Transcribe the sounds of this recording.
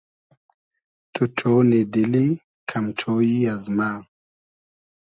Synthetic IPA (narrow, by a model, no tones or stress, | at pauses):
t̪uʈ͡ʂʰoned̪ili | kʰamʈ͡ʂʰoːjiazmaː